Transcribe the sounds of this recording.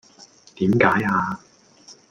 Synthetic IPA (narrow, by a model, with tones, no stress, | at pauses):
t̪iː˨˥mkaː˨˥jaː˧